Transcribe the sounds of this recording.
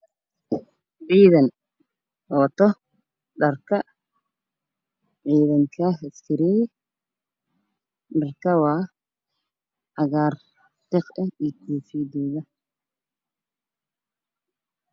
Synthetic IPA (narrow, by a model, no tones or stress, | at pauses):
ʕiːðɐn | hɔːt̪ʰɔ | ɖɐrkʰɐ | ʕiːðɐŋkʰɐɦɛskʰɪɾɛj | ɖɐrkʰɐwɑː | ʕɑɣaːr | d̪̥ɪqɐiːk̪ʰuːfiːd̪ɔːɣɐ